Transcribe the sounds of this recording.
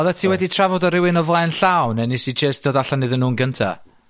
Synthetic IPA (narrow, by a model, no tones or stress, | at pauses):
ɔðatʰiːwɛditʰravɔdɔɾɪwɪnɔvlˠaɛnɬawnɛnisid͡ʒesd̥oːdaɬanɨðənːuːnɡəntʰa̰